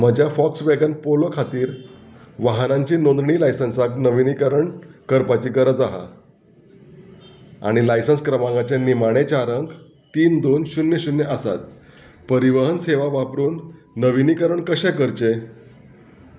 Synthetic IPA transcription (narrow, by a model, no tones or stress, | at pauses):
m̤əd͡ʑjafɔksʋeɡənpolokʰat̪iːɾʋaɦnãɲt͡ɕiːnõnd̪ɳiːlajsənsaknəʋinikəɾəɳkəɾpat͡ɕiːɡəɾəd͡zaɦa̰ | a̰ɽ̃ilajsənskɾəmãŋɡat͡ɕanimaɽ̃et͡ɕaɾəŋɡ | t̪iːnd̪onɕunːeɕunːeʔəsa̰t̪̚ | pəɾiʋəɦənseʋaʋapɾuːnː | əʋinikəɾəɳkəɕɛkəɾt͡ɕe